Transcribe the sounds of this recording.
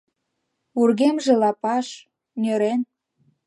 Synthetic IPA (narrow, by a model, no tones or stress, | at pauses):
urɣemʒĕlɑpɑʃ | nʲøɾen